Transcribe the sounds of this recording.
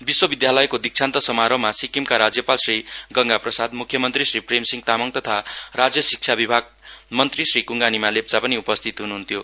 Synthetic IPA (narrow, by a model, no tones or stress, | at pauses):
biswʌbid̪jalʌjkod̪ik̚t͡sʰant̪ʌsʌmaɾʌmasikimkaɾad͡zjʌpalsriɡʌŋɡaprʌsad̪mukʰːjʌmʌnt̪risripremsiŋt̪amʌŋt̪ʌt̪ʰarad͡zjʌsik̚t͡ʃʰabibʱaɡ̚mʌnt̪risrikuŋɡanimalep̚t͡sapʌniupʌst̪ʰit̪ɦunuɦunt̪ʰjo